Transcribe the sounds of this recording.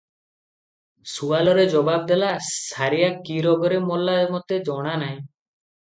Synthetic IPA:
sualɔɾed͡ʒɔbab̚d̪elasaɾijakiɾɔɡɔɾemɔlːaemɔt̪ed͡ʒɔɽ̃anaj̃

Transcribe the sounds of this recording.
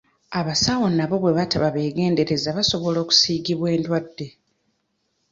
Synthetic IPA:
aβasawo̞naβo̞βwe̞βataβaβe̞ːɡe̞ːnde̞ɾe̞zaβaso̞βo̞lo̞ːku̥siːɡiβwe̞ːndwadːe̞

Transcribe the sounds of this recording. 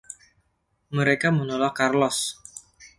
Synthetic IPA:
məɾekamənolakarlɔs

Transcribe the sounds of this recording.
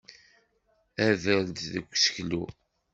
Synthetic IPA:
æðəld̪ðəkʷːsə̥çlṵ

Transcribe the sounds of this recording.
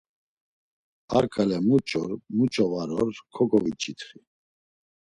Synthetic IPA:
aɾkʰʼalɛmut͡ʃʼɔɾmut͡ʃʼɔvaɾɔɾkʰɔkɔvit͡ʃʰʼit̪ʰχi

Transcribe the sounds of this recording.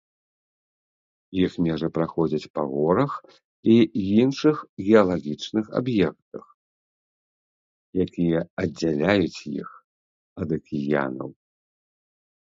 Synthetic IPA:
jixmʲɛʐɐpɾaxɔd͡zʲɐt͡sʲpaɣɔɾɐx | iinʂɨxɣʲɛɐlˠaɣʲit͡ʂnɨxa̰bjɛk̚t̪ɐx | jakʲijɛɐd͡zʲːalʲajut͡sʲjḭx | ɐd̪ɐkʲʰija̰nɐ̰w

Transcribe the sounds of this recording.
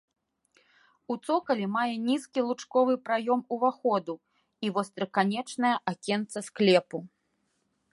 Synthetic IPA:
ut̪sɔkɐlʲimajɛnʲiskʲilˠut͡ʂkɔvɨpɾajɔmuvaxɔd̪u | ivɔst̪ɾɐkanʲɛt͡ʂnɐjɐʔakʲɛnt̪sɐsklʲɛpu

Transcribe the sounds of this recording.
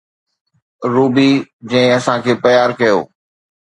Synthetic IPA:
ɾuːbid͡ʑɐ̃ɪ̃ɐsãkʰeːpɐjaːɾkɐjo̰ː

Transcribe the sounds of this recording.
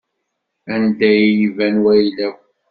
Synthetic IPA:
ænd̪æjjivænwæjlæw

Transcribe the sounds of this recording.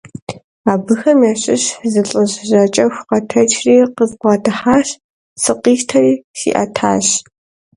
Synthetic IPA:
aːbɨxɐmjaːɕʼɪɕzɨɬʼɨʑʑɐt͡ʃʼɐxʷqɐtʰɐt͡ʃʰʼriːqəzqʷɑːtʰɨħaːɕ | sɨqiːʃtʰɐriːsḭːʔɐ̰tʰa̰ːɕ

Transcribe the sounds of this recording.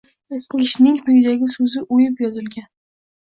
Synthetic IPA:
ɪʃnɪŋpʰʊjɪd̪aɡʲɪsɵzɪʔojɪpjɒzɪlɡʲan

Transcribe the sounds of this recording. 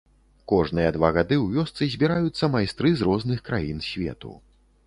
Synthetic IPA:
kɔʐnɨjɐd̪vaɣad̪ɨwvʲɔst̪sɨzʲbʲiɾajut̪sːɐmajst̪ɾɨzrɔznɨxkɾajinsʲvʲɛ̰t̪ṵ

